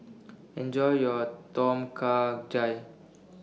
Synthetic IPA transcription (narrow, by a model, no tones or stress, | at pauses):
ɛ̃nd͡ʒɔjjɔtɔ̃mkʰad͡ʒaj